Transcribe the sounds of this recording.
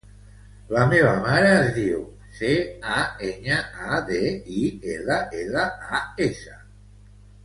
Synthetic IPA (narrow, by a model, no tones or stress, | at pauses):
lameβamaɾaːzðiw | seaeɲaaðeielaelaaesa